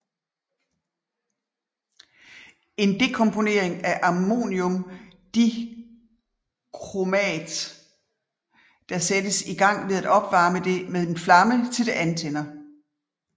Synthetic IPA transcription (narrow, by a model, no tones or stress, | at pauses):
e̝nd̥e̝kʰɔ̽mpʰo̝ne̝̰ɐ̰e̝ŋæʔɑ̈mo̝̰ːnjɔ̽md̥i | kʰʁomɛ̰ːd̥ | d̥ɑ̈sed̥əsiɡ̥ɑ̈ŋ̰ʋe̝ðˠæd̥ɒ̽b̥ʋɑ̈ːməd̥e̝meðˠenflɑ̈mət͡sʰe̝ld̥e̝ʔænt͡sʰenɐ